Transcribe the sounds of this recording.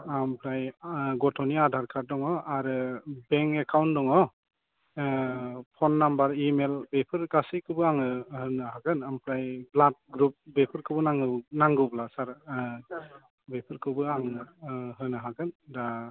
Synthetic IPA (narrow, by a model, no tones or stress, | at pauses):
ampʰɾajɡɔtʰɔniadʱaɾkʰaɾdɔŋɔaɾɯbɛŋɛkʰawntdɔŋɔ | pʰɔnːambaɾimelbepʰɯɾɡasikʰɯbɯaŋɯhɯnɯɦaɡɯnampʰɾajblat̚ɡɾup̚bepʰɯɾkʰɯbɯnaŋɯnaŋɡɯblasaɾ | bepʰɯɾkʰɯbɯaŋɯɦɯnɯɦakɯnda